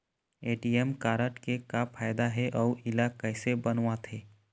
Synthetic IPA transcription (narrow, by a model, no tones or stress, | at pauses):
eːʈiemkaːɾəʈkekapʰaːjd̪aɦɛʔɔːʔɪlakəɪsebənʋat̪ʰeː